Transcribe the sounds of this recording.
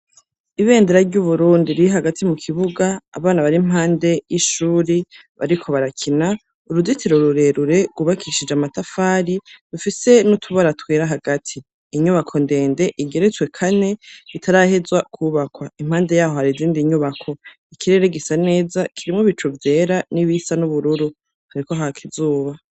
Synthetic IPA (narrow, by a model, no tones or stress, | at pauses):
iβe̞ːndeɾaɾɟuβuɾuːndiɾiiɦaɡatʰimukʰiβuɡa̰ːβaːnaβaɾim̥ɦaːnde̞jiʃuːɾiβa̰ɾikʰo̞βaɾakʰina | uɾuditiɾoɾuɾe̞ɾuɾe̞ɡuβakʰiʃid͡ʒamatafaːɾidufise̞nutʰuβaɾatweːɾaɦaɡatʰiː | ɲuβakʰo̞nde̞ːnde̞ʔiɡe̞ɾet͡swe̞kʰane̞itʰaɾahe̞zwakʰuːβakwaim̥haːnde̞jaːho̞haɾiziːndiɲuβakʰo̞ | ikiɾe̞ɾeɡisane̞ːzakʰiɾimŋoβit͡ʃuvje̞ːɾaniβisanuβuɾuɾu | haɾiko̞ɦakʰizuːβa